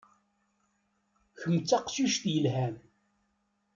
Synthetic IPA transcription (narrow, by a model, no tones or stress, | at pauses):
çəmt͡sːaqsuʃt̪jəlɦæm